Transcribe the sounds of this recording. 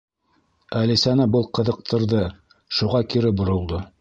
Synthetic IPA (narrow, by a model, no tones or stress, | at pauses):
ælisænɘbɤlˠqɤ̆ðɤ̆q̚t̪ʰɤ̆ɾðɤ | ʃuʁɑkiɾɘbŏɾŏlˠd̪o